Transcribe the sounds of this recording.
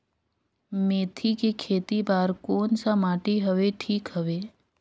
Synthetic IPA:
meːt̪ʰikekʰeːt̪ibaːɾkoːnsamaːʈiɦəʋeʈʰiːkɦəʋeː

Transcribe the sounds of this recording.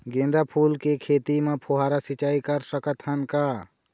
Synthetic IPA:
ɡẽːnd̪apʰuːlkekʰeːt̪imẽpʰoɦaːɾasɪt͡ʃaːikəɾsəkət̪ɦənkaː

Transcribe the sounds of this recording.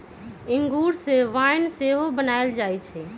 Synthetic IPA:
ɪŋɡuːɾseʋaːɪnseːɦobənaːɪld͡ʒaːit͡ʃʰɛː

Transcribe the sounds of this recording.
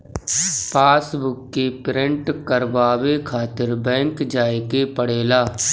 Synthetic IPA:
pʰaːsbʊkːepɪɾɪ̃ɳʈkəɾʋaːwekʰaːt̪ɪɾbɛ̃ːŋkd͡ʒaːekepəɽeːlaː

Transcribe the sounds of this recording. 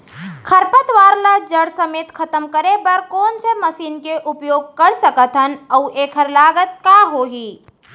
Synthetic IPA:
kʰɐɾpət̪ʋaːɾlad͡ʒɐɽsɐmeːt̪kʰɐt̪əmkəɾebɐɾkɔːnseməsiːnkeʔʊpjoːɡkɐɾsəkət̪ɦənəʊʔeːkʰəɾlaːɡət̪̚kaːɦoːɦiː

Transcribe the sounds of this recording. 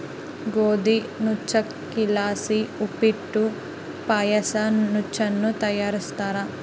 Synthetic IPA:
ɡoːd̪inut͡ʃːɐkː | ilaːsiupiʈːu | paːjɐsɐnut͡ʃːɐnːut̪ɐjaːɾist̪aːɾɐ

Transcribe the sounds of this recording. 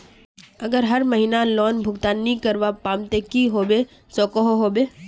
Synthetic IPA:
ɐɡəɾɦɐɾməɦiːnalɔːnbʱʊɡt̪aːnːikəɾʋapaːmt̪ekiɦoːbe | soːkoɦoɦoːbeː

